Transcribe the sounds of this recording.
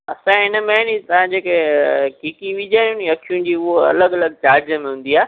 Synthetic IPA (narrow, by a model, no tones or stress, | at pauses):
ɐ̰sãɪnəmɐɦɪɽ̃it̪ɐʋ̤ãd͡ʑeːkekiːkiʋid͡ʑaːjũniɐkʰijũd͡ʑiːʊɦoɐ̰ləɡɐləɡ̚t͡ɕaːɾd͡ʑəmẽɦʊ̃ːn̆d̪iaː